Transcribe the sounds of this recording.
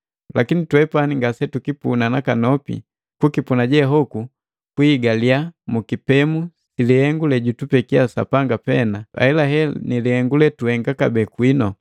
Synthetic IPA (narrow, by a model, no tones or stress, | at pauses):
lʔakinitwɛpaniŋɡasɛtukipunanakanɔpḭ | kukipunaɟɛɦɔku | kwiːɡaliamukipɛmu | silihɛŋɡulɛɟutupɛkiasa̰paŋɡapɛnaa̰ɛlaɦɛnilihɛŋɡulɛtuhɛŋɡakabɛːkwinɔ